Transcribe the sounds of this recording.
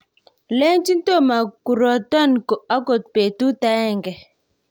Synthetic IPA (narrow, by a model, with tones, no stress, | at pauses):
le˦nt͡ʃi˦nto˦˨ma˨ku˨ɾɔ˨ta˦nko˨a˦ko˨t̚pe˨tu˦ta˦ɛ˦˨ŋɡɛ˨